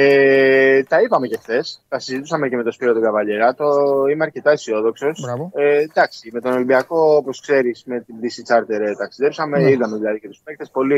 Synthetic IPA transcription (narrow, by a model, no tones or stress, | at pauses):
et̪ɐipɐme̞ce̞xθe̞st̪ɐsizit̪usɐmece̞me̞t̪o̞spiɾot̪oɡɐvɐʎeɾɐt̪o̞imeɐɾce̞t̪ɐesio̞ðo̞kso̞sɾɐed̪ɐksime̞t̪o̞nolimbiɐko̞opo̞skse̞ɾisme̞t̪ind̪isit͡sɐɾt̪e̞ɾt̪ɐksiðe̞psɐme̞iðɐme̞ðilɐðicet̪uspext̪e̞spo̞li